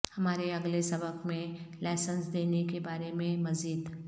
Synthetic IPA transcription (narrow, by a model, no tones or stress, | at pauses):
hɐmaːɾeɐɡlesɐbəqmẽlaːsə̃nsd̪eːnekebaːɾemẽmɐziːd̪